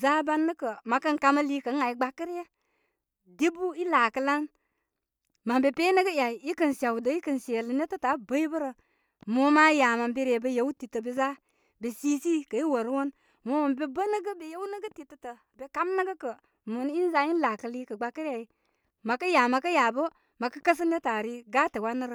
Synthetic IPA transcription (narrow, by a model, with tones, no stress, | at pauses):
za˦ba˦nːə˦kə˨ma˨kə˦ŋka˦mə˦liː˦kə˨˦ŋa˨i˨ɡ͡ba˦kə˦ɾjə˦ | de˦bu˦i˦la˨kə˨˦la˦n | ma˨mbe˨pe˦nə˦ɡə˦ja˨i˨i˦kə˨nsa˨wdə˨˦i˦kə˨nse˨lə˨ne˦tə˦ta˨˦bə˦i˦bə˦ɾə˨ | mo˦ma˦ja˨ma˨mbe˦ɾe˨bə˦je˦wu˦ti˨tə˨be˨za˦ | be˨si˦si˦kə˨i˦wo˨ɾwo˦n | mo˦ma˨mbe˦bə˦nə˦ɡə˦be˨je˦wnə˦ɡə˦ti˨tə˨tə˨ | be˨ka˦mnə˦ɡə˦kə˨ | mo˨n˦i˦n˦za˨˦i˦n˦la˨kə˨li˦kə˨ɡ͡ba˦kə˦ɾa˨i˨˦ | ma˨kə˦ja˨ma˨kə˦ja˨bə˦ | ma˨kə˦kə˦s̬ə˦ne˦ta˨ɾi˦ɡa˦te˨wa˦nːə˦ɾə˨